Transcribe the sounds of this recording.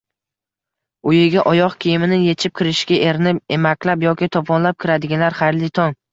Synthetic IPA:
ʊjɪɡʲaʔɒjɒqkʲʰijɪmɪnɪje̞t͡ʃʰɪp̚kʲʰɪɾɪʃɡʲaʔe̞ɾnɪpemakʲʰlapjɒkʲɪt̪ʰɒpʰɒnlap̚kʲʰɪɾad̪ɪɡʲalaɾχajɾlɪt̪ʰɒŋ

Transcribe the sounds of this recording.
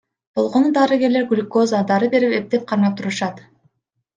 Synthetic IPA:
b̥o̞lˠʁo̞nud̪ɑɾɨɡʲe̞ɾle̞ɾɡulʲko̞zəd̪ɑɾɯbe̞ɾipep̚t̪e̞p̚qʰɑɾmɑp̚t̪ʰuɾuʃɑt̪

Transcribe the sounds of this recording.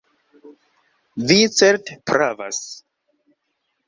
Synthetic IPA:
vit͡seɾtpɾʔava̰s

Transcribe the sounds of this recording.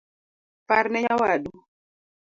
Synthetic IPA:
paɾnɛɲawaɗu

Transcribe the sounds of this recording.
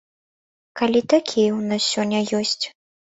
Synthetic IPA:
kalʲit̪akʲʰijɐwnassʲɔnʲːɐjɔsʲt͡sʲ

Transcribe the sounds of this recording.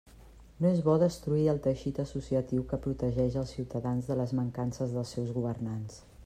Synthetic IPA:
noezβɔðəst̪ɾuiəlˠt̪əʃit̪əsusiət̪iwkəpɾut̪əʒɛʃəlˠsiwt̪əðanzðələzməŋkansəzðəlˠsɛwzɣuβərnans

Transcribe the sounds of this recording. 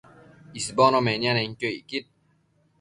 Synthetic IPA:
isbɔnɔmenianɛŋkʲoikit̪̚

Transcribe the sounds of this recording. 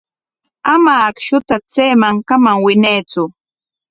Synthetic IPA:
amaːkʃʊt̪at͡sejmaŋkamaŋwɪnajt͡sʊ

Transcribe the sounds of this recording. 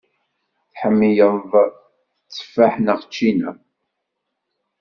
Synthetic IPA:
θħəmːijəðˤ | t͡sːə̥fːaħnəʁt͡ʃːinæ̰

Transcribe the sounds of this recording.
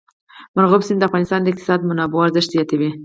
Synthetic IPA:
mʊɾɣobsɪnd̪əafɣɑnɪst̪ɑnd̪əɪqt̪ɪ̥sɑd̪mʊnɑboaɾzɪʃt̪ijɑt̪awi

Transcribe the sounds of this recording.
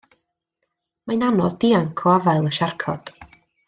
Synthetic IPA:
majnanɔðdiːaŋkʰɔavaɨlˠəʃarkʰɔ̰d̥

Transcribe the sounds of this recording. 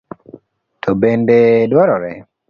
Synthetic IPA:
tʰɔbendedwaɾɔɾɛ

